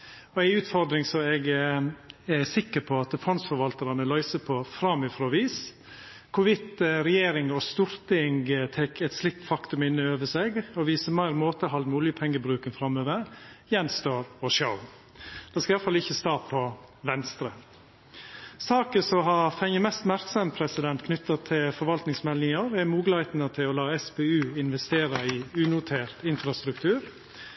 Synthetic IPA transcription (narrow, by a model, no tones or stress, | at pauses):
ɔæɪʉːt̪fɔɾd̪ɾɪŋsɔɛɡ | æsɪkːəpʰɔɑt̪fɾɑnsfɔɾʋɑlt̪əɾɑnəlœʏsəpʰɔfɾɑmːɪfɾɔːɑʋiːs | kʰʊʋɪt̪ɾɛjeːɾɪŋɔst̪uɾt̪ɪŋɡt̪ʰɛkʰːɛt̪slɪk̚t̪fɑkt̪ʉmɪnːɪøːʋəseɡɔʋiːsəmæɪɾmoːt̪əɦɑld̪mʉːlɪəpʰɛŋːəbɾʉːkənfɾɑmøːʋəɾjɛnst̪øːɾɔʃoʊ | d̪̥ɛːskɑjɑlfɑlɪçəst̪ɑːpʰɔ | ʋɛnst̪ɾə̰ | sɑːkəsɔɦɑfɛŋjəmɛst̪mæɾksɑmpʰɾɛsɪd̪ɛnt̪kʰnʏt̪ːɑt̪ʰɪlfɔɾʋɑlt̪nɪŋsmɛlnɪŋɑɾɛɾmuːɡlɑt̪nət̪ʰɪlɔlɑːɛspɛːʉːɪnʋɛst̪eːɾɑɪʉːnʊt̪ʰeːɾt̪ɪnfɾɑst̪ɾʉk̚t̪ʰʉːɾ